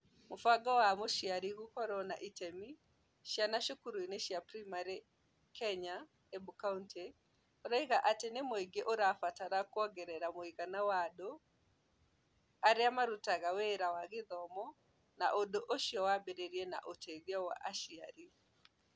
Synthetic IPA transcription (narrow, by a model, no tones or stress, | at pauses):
mofaɡawamoʃiaɾiɣukɔɾɔna̰ʔitɛmi | ʃjanaʃokuɾuineʃjapɾimaɾe | kɛɲa | ɛbukauntʰe | oɾaiɣaʔatenemoeɡeʔoɾafataɾakwɔɡɛɾɛɾamoiɣanawado | aɾeamaɾutaɣaweɾawaɣeðɔmɔ | na̰ʔodoʔoʃiɔwabeɾeɾiɛna̰ʔotʰɛɣjawa̰ʔaʃiaɾi